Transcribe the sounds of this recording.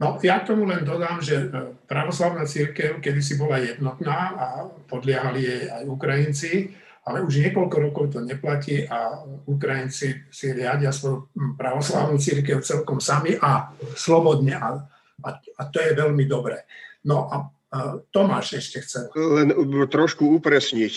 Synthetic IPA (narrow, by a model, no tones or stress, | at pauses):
nɔjak̚t̪ɔmulɛnd̪ɔd̪aːmʒɛpɾaʋɔslaʊnat͡siɾkɛʊkɛd̪is̬ibɔlajɛd̪nɔt̪naːapɔd̪lɪaɦalijɛajukɾajint͡si | alɛuʒɲɪɛkɔlkɔɾɔkɔʊt̪̬ɔɲɛplaciːʔauk̬ɾajint͡sisiɾɪaɟɪasʋɔjupɾaʋɔsla̰ʊnuːt͡siɾkɛʊt͡sɛlkɔmsamiʔaslɔbɔd̪ɲɛʔa | aat̪ɔjɛʋɛlmid̪ɔbɾɛːnɔʔa | t̪ɔmaːʃɛʃcɛxt͡sɛllɛnt̪ɾɔʃkuupɾɛsɲic